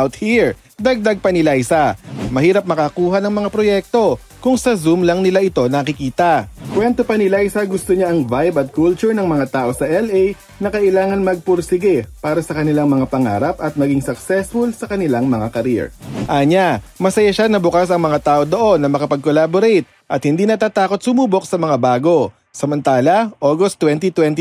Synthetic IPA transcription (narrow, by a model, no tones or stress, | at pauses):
ʔʔawt̪̚hiɹ | d̪ɐɡ̚d̪aɡ̚pɐnɪlajsamɐhiːɾɐp̚mɐkɐkuːɦanɐŋmɐŋapɾojɛk̚t̪o̞ | kʊŋsɐzumlɐŋnɪlaʔɪt̪o̞nɐkɪkiːt̪ɐkwɛnt̪opɐnɪlajsɐɡʊst̪oɲaʔɐŋvajbɐt̪̚kult͡ʃʊɹnɐŋmɐŋat̪aːʔo̞sɐʔɛlɛj | nɐkɐʔɪlaːŋɐnmɐɡ̚pʊɾsɪɡɛpaːɾɐsɐkɐnɪlaŋmɐŋapɐŋa̰ːɾɐpɐt̪̚mɐɡɪŋsɐksɛsfʊlsɐkɐnɪlaŋmɐŋakɐɾiɛ̰ɹʔaːɲa | mɐsɐjaʃanɐbʊkasɐŋmɐŋat̪aːʔo̞d̪o̞ʔo̞nːɐmɐkɐpɐɡ̚kolaːboɾejt̪̚ | ʔɐt̪hɪnd̪iːnɐt̪aːt̪aːko̞t̪sʊmuːbo̞k̚sɐmɐŋabaːɡo̞ | sɐmɐnt̪aːlɐʔoːɡost̪ːwɛnt̪it̪wɛnt̪